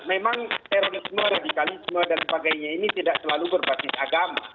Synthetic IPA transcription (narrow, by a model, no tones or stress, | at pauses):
memaŋt̪eɾoɾɪsmaɾadikalisəmuadalibaɡajɲainit̪idaʔsəlalubərbasɪsaɡama̰